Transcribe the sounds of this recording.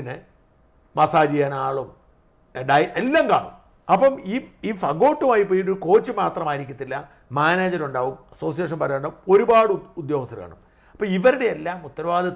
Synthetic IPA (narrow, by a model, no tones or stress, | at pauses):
inːɨ | mɐsaːd͡ʑijaːnaːɭum | ɖɐjʔelːamka̰ːɳṵm | ɐpːɐmiːiːfɐɡo̞ːʈːumaːjip̬ːoːjiʈ̬ːoɾuko̞ːt͡ɕːɨmaːt̪rɐmaːjiɾikʲːuɐt̪ːilːɐ | maːneːd͡ʑɐɾuɳɖaːʋumɐso̞ːs̬ijeːʂ̬ɐnpɐɾɐuɳɖaːʋumo̞ɾubaːɽɨud̪jo̞ːɣɐst̪ːɐɾka̰ːɳum | ɐpːɐiʋɐɾuɽe̞elːaːmut̪ːɐɾɐʋaːðɐ